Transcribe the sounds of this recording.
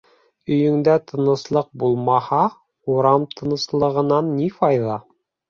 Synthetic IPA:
ɵ̆jɵ̆ŋd̪æt̪ʰɤ̆nɤ̆slˠɤq̚bulˠmɑhɑ | uɾɑmt̪ʰɤ̆nɤ̆slˠɤ̆ʁɤ̆nɑnːifɑjðɑ

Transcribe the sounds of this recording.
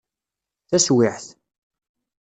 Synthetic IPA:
θæswɪħθ

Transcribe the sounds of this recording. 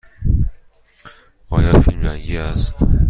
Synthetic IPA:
ɒːjɒfilmɾæŋɡiæst̪

